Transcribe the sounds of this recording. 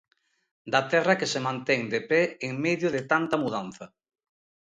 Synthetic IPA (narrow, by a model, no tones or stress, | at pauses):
d̪ɐt̪ɛrɐkesemãnt̪ɛŋd̪epɛeŋmeðjʊðɪt̪ant̪ɐmuðanθɐ